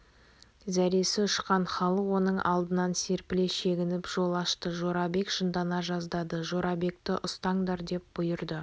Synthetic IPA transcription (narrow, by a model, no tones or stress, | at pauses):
zæɾe̞sɪʊʃqɑɴχɑlˠəqwo̞nəɴʔɑ̰lˠd̪ənɑnse̞ɾpɪle̞ʃe̞ɡʲɪnɪpʒo̞lˠɑʃt̪əʒo̞ɾɑbe̞kʒənd̪ɑnɑʒɑzd̪ɑd̪əʒoɾɑbe̞k̚t̪ɪʔʊst̪ɑɴd̪ɑɾd̪e̞p̚b̥ʊjəɾd̪ə